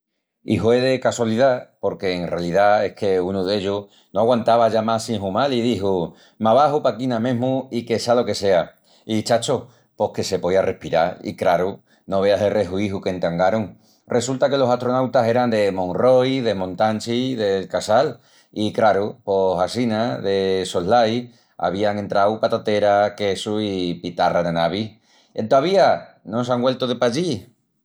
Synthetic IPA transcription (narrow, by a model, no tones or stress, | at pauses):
ḭɦwe̞ðe̞kaswaliðapo̞ɾke̞ːnrealiðae̞hkʰe̞unuðe̞ʎu | noaɣwant̪aβaʝamasiŋɦumalið̞iɦu | maβaɦupakinãmẽ̞ɦmuike̞sealo̞ke̞se̞a | it͡ʃat͡ʃo | po̞hke̞se̞pojare̞hpiɾa̰ɾḭkɾaɾu | no̞β̞e̞aselre̞ɦuiɦukent̪aŋɡaɾoŋ | rʔe̞sult̪ake̞lo̞saht̪ɾo̞nawt̪ase̞ɾand̪e̞mõ̞ŋro̞jðe̞mõ̞nt̪ant͡ʃiðe̞lkasal | ikɾaɾupo̞sasinaðe̞soɦlaj | a̰β̞iaŋe̞nt̪ɾawpat̪at̪e̞ɾake̞suipit̪araðenaβ̞i | ent̪oaβ̞ianosaŋɡwe̞lt̪oðepaʎi